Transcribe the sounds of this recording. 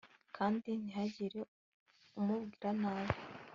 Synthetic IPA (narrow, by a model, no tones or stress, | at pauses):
kʰaːndiniɦaɟiɾe | umubɡiːɾanaːzo